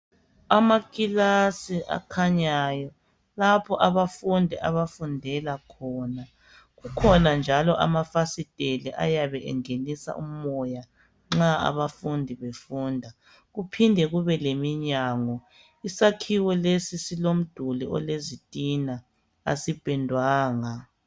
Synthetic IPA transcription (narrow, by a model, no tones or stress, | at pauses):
amakʼilasiʔa̰kʰaɲajɔ | lapʰɔʔaβafundʱɛʔaβafundʱɛlakʰɔːna | ɣukʰɔnand͡ʒʱalɔʔa̰mafasid̥ʱeliʔa̰jaβɛʔɛ̰ŋenisa̰ʔṵmɔja | ŋ͡ǁaa̰βafundʱiβefuːndʱa | ɣupʰindʱɛɣuβɛlemiɲaːŋɔ | isakʰiwɛlesisilom̩d̥ʱuliʔɔ̰lezid̥ʱʼina | a̰sib̥ʱɛndʱwaːŋa